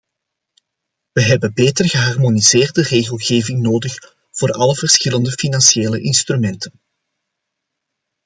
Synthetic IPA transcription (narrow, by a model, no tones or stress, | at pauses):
ʋəɦɛbənbeːtərɣəɦɑrmoniz̥eːrdəreːɣəlˠɣeːvɪŋnoːdəx | v̥oːrɑləvərsxɪləndəfinɑnsjeːləʔɪnst̪rymɛntʰən